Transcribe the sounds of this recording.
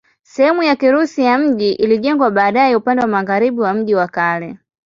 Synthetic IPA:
sɛhɛmujakiɾusijam̩ʄiʔiliʄɛŋɡwaɓaːɗajɛupandɛwamaɣaɾiɓiwam̩ʄiwakalɛ

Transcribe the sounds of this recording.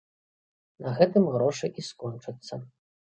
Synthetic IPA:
nɐɣɛt̪ɨmɣɾɔʂɨʔiskɔnt͡ʂɨt̪sːɐ

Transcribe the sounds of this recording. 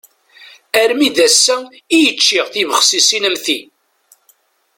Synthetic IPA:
æɾmiðæsːæ | ijət͡ʃːiʁθivəχsisinəmθi

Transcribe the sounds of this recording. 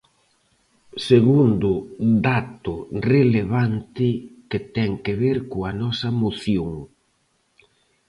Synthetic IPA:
seɣund̪ʊd̪at̪ʊreleβ̞ant̪ɪkɪt̪ɛŋkeβeɾkoɐnɔsɐmoθjoŋ

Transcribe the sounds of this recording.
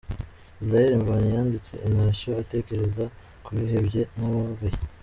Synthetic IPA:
isɾajeɾiɱvaɲijaːndit͡se̞̰ʔinaːɕoate̞ːke̞ɾe̞za | kuβiɦe̞bje̞naβaβaje

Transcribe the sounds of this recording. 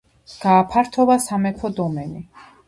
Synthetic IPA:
ɡ̥aːpʰaɾt̪ʰɔvasamɛp̪ʰɔd̪ɔmɛni

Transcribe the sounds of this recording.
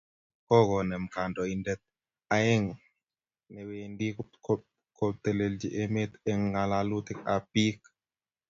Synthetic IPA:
kɔɡɔnɛmkandɔindɛt̪̚ | ajɛŋ | nɛwendikkɔ | kɔt̪eleld͡ʒiʔemet̪ɛŋɡalalut̪ikapik

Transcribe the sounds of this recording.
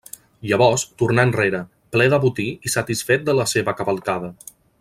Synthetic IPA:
jəβɔɾst̪urnaənreɾə | plɛðəβut̪iisət̪isfet̪̚d̪ələseβəkəβəlˠkaðə

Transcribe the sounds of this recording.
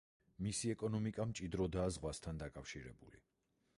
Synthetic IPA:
misiɛkʼɔnɔmikʼamt͡ʃʼid̪ɾɔd̪aːzʁwast̪ʰand̪akʼafʃiɾɛ̰bulḭ

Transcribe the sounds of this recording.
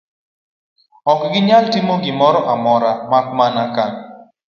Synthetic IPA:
ɔkɡɪɲaltimoɡɪmɔɾɔʔamɔɾamak̚manakan

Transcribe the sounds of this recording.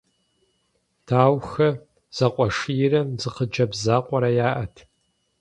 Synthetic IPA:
tʰaːwxɐ | z̥ɐqʷʼɔʂɨjɪrɐmzɨqəd͡ʒɐbzaːqʷʼɔɾɐjaːʔɐtʰ

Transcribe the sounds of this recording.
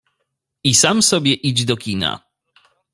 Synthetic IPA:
isamsɔbʲjɛʔid͡ʑd̪ɔkʲina̰

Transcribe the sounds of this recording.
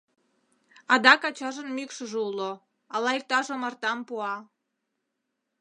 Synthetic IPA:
ɑd̪ɑkɑt͡ɕɑʒənmykʃəʒeulo | ɑlɑik̚t̪ɑʒomɑrt̪ɑmpuɑ

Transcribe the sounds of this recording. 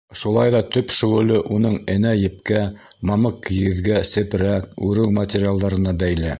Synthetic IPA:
ʃulˠɑjðɑt̪ɵpʃɵ̆ʁɘ̆lɘʔunɤɴɘ̆næjɘ̆p̚kæmɑmɤqːiɣɘ̆ðɡæsɘ̆pɾæk̚ʉɾɘwmɐtʲeɾʲɪalˠd̪ɑɾɤ̆nɑbæjlæ

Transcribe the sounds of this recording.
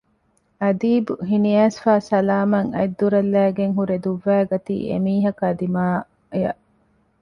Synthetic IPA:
ɐd̪iːbuɦiniæːsfaːsɐlaːmɐŋɐ̰jd̪ːuɾɐlːæːɡeŋɦuɾed̪uʋːæːɡɐt̪ḭːʔḛmiːɦɐkɐd̪imaː | jɐʔ

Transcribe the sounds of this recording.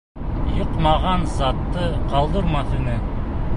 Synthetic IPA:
joqmɑʁɑnzɑt̪ːɤqɑlˠd̪ɤɾmɑθɵ̆nɘ

